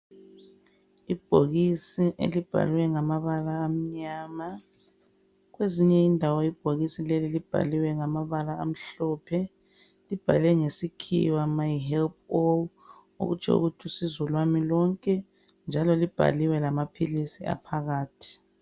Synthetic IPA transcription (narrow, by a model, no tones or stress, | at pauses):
ib̥ʱoɣisiʔḛlib̥ʱa̰lwɛŋamaβalaːm̩ɲaːma | ɣweziɲɛindʱawɔib̥ʱoɣisilelilib̥ʱa̰liwɛŋamaβalaːm̩ɬɔːpʰɛ | lib̥ʱa̰lɛŋesikʰḭwamajɦɛlp̚ʰɔ | o̰ɣut͡ʃʰɛ̰ṵɣutʰusizɔlwamilɔŋkʼɛ | nd͡ʒʱalɔlib̥ʱa̰liwɛlamapʰilisia̰pʰaɣaːtʰi̥